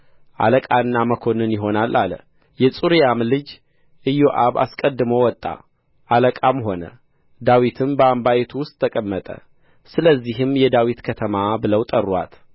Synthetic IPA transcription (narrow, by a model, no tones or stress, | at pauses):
ʔa̰ləkʼanːaməkʰo̞nɨnjɪɦo̞nalʔal | jɛsʼuɾijamlɨd͡ʒ | ʔɨjoʔaβa̰skʼəd̪ːɨmowɔt̪ʼːa̰ | ʔaləkʼamɦo̞nə̰ | d̪awit̪ʰɨmbəambajɛt̪ʰuwʊst̪ʼʰːəkʼəmːət̪ʼə̰ | sɨləzːiɦɨmjɛd̪awit̪kʰət̪ʰəmabɨləwt̪ʼərːwa̰t̪